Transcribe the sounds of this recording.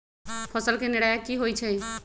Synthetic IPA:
pʰəsəlkenɪɽaːjakiɦoːit͡ʃʰe

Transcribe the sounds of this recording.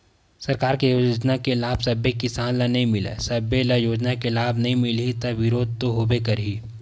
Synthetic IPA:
sɐɾkaːɾkejoːoːd͡ʒnakelaːbsɐbekɪsaːnlanɐɦĩmɪlḛsɐbelajoːd͡ʒnakelaːbnɐɦĩmɪlit̪ɐʋɪɾoːd̪̚t̪oɦoːbekɐɾɦiː

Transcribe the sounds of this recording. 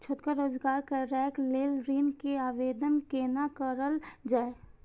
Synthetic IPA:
t͡ʃʰoːt̪kaɾoːzɡaːɾkəɾɛːkleːlɾiːnkeaːʋeːd̪ənkeːnakəɾəld͡ʒaːe

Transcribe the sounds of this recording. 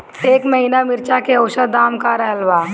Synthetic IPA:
eːkməɦiːnamɪɾt͡ʃakeəʊʃəd̪aːmkaɾɛɦəlʋaː

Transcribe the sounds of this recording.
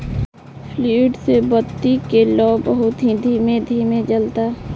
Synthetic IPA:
fliːʈsebət̪ːikelɔːbəɦʊt̪ɦid̪ʱiːmed̪ʱiːmẽd͡ʒəlt̪aː

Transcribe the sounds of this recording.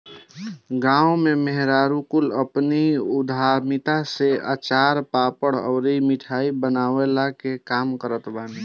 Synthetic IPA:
ɡãːumemeɦɾaːɾukʊləpniʊd̪ʱaɾmit̪aseə̰t͡ʃaːɾpaːpəɽɔ̰ʊɾimɪʈʰaːibənaːwelakekaːmkəɾət̪baːni

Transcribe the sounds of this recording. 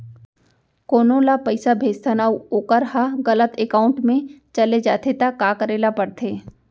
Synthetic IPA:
koːnõːlapɐɪsabʱeːd͡ʒt̪ʰənaːuoːkəɾɦaɣɐlət̪ekaːʊ̃ɳʈmẽt͡ʃɐled͡ʒaːt̪ʰet̪akaːkəɾeːlapɐɽt̪ʰeː

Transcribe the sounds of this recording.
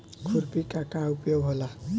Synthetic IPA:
kʰuɾpikakaupjoɦola

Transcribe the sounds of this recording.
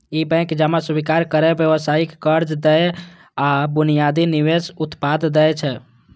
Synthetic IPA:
ibɛ̃kd͡ʒamasubikaɾkəɾɛbjeʋəsaikkəɾd͡ʒd̪ɛj | abunijad̪iniwesut̪pad̪d̪ɛjt͡ʃʰɛ

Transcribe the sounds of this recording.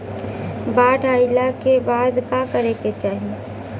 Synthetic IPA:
baːʈaːɪlakebaːd̪kãkɐɾeket͡ʃaːɦie

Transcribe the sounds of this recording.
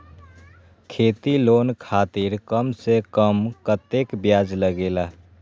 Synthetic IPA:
kʰeːt̪iloːnkʰaːt̪iɾkəmsekəmkət̪ekbjaːd͡ʒləɡeːlaː

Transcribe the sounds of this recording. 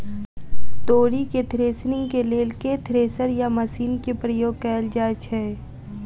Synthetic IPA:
t̪oːɾiket̪ʰɾeːsnɪ̃ŋɡkeleːlket̪ʰɾeːsəɾjamɐsiːnkepɾəjoːɡ̚kɛːld͡ʒaːd͡ʒɦɛ

